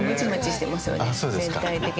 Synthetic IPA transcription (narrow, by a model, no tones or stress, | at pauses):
mɯt͡ɕimɯt͡ɕiɕi̥t̪e̞masɨjo̰esoːdzeẽ̞nt̪ait̪e̞kʲi